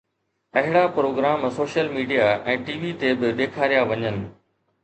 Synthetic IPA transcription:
ɐɦɪɽapɾoːɡɾaːmsoːʃjəlmiːɖijaʔɛ̃ːʈiːʋit̪ebɪɗ̪eːkʰaːɾijaʋɐɲənɪ̆

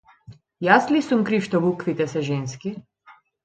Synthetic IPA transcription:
jaslisumkɾifʃt̪ɔbukʋit̪ɛsɛʒɛnski

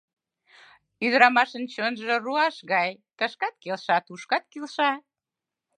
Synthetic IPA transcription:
yðɾɑmɑʃənt͡ɕonʒoruɑʃɣɑjt̪əʃkɑt̪̚kelʃɑt̪uʃkɑt̪̚kilʃɑ

